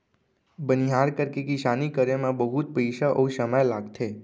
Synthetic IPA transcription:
bəniɦaɾkəɾkekiʃanikəɾemãbəɦut̪̚pəjʃaʔəũsəməjlaɡt̪ʰe

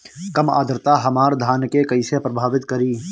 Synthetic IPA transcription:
kəma̰ːd̪ɾt̪aɦɐmaːɾd̪ʱaːnkekɐɪsepɾəbʱaːʋɪt̪kəɾiː

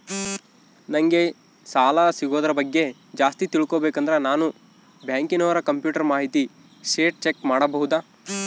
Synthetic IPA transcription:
nɐŋɡe̞ | saːlasiɡoːd̪ɐɾɐbɐɡːe̞ | d͡ʒaːst̪it̪iɭkoːbeːkɐnd̪ɐɾenaːnu | bjaːŋkinɐːʋɐɾɐkɐmpjuːʈɐɾmaːɦit̪i | ʃeːʈ̚t͡ʃekmaːɽɐbɐɦud̪aː

